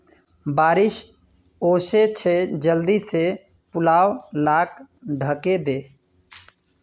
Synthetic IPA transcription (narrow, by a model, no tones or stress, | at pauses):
baːɾɪʃ | oːset͡ʃʰed͡ʒəld̪ise | pʊlaːwlaːk̚ɖʱəked̪eː